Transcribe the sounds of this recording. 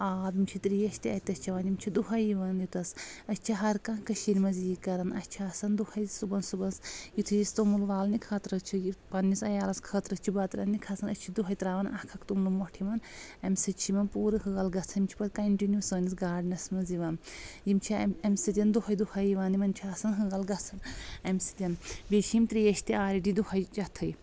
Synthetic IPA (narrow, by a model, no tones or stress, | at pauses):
aːbimt͡ʃʰit̪ɾijɐʃt̪iɐt̪ɐsʲt͡ʃʰɐʋaːnimt͡ʃʰid̪uɦɐjiʋaːnjut̪ɐsɐsʲt͡ʃʰiɦɐɾkãkɐʃiɾʲmɐziːkɐɾɐnɐ̰sʲt͡ʃʰiɐsɐnd̪uhɐjsubɐnsubɐnsjut̪ʰijist̪umulʋaːlnikʰɐːt̪ɾɐst͡ʃʰujipɐnːisɐjaːlɐskʰɐːt̪ɾɐst͡ʃʰubɐt̪ɾɐ̰nnikʰɐsɐnɐt͡ʃʰid̪uɦɐjt̪ɾaːʋɐnɐ̰hkʰɐkt̪umlumɔʈʰimɐnɐmʲsɨt͡ʃʰimɐnpuːɾɨɦɨɣɐlɡɐt͡sʰɐimt͡ʃʰi̥pɐt̪̚ʲkɐɳʈinjusəːnisɡaːɖnɐsmɐziʋaːnjimt͡ʃʰiɐmʲsɨt̪ʲɐnd̪uɦɐjd̪uhɐjiʋaːnimɐnt͡ʃʰiaːsɐnɦɨɡɐlɡɐt͡sʰɐnɐmʲsɨ̥t̪ʲɐnbet͡ʃʰimt̪ɾijɐʃʲt̪iaːɾiɖid̪uhɐjt͡ʃɐt̪ʰɐj